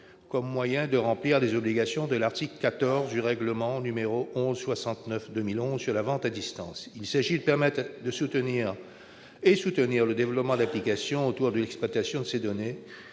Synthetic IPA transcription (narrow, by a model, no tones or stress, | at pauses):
kɔmːwajɛ̃d̪əʁɑ̃pliʁlezɔbliɡasjɔ̃d̪əlaʁt̪ikləkat̪ɔʁzd̪yʁɛɡləmɑ̃nymeʁoʔɔ̃zswasɑ̃t̪nœfd̪əmilɔ̃zsyʁlavɑ̃t̪ad̪ist̪ɑ̰̃silsaʒid̪əpɛʁmɛt̪d̪əsut̪əniʁ | esut̪əniʁləd̪evlɔpmɑ̃d̪aplikasjɔ̃ot̪uʁd̪əlɛksplwat̪asjɔ̃d̪əsed̪ɔne